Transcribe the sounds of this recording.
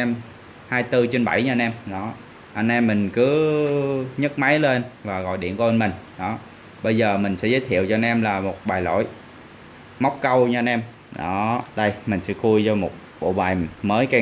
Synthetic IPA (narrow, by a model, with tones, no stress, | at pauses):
ɛ˧m | haː˧jt̪ɨ˧t͡ɕe˧nɓa˧˩jɲ˧nʔɛ˧mɗɔ˨˦ | ʔə˧nʔɛ˧mːï˨˩ŋ̟kɨ˨˦ | ɲə˦˥t̚ma˨˦jle˧nvaː˨˩ɣɔ̰˧˨jɗḭ˧˨ənkːə˧nmï˨˩ŋ̟ɗɔ˨˦ | ɓə˧jzəː˨˩mï˨˩ŋ̟sɛ̰˧˥zəː˨˦jt̪ʰḭ˧˨əwt͡ɕɔ˧nʔɛ˧mlaː˨˩mo˨˩t̚ɓaː˨˩jlo̰˧˨j | ma˦˥wk͡p̚kə˧wɲɨ˧a˧nɛ˧m | ɗɔ̰˨˦ɗə˧jmï˨˩ŋ̟sɛ̰˧˥ku˧əjt͡ɕɔ˧mo˨˩t̚ɓo̰˧˨ɓaː˨˩jməː˨˦jka˧˩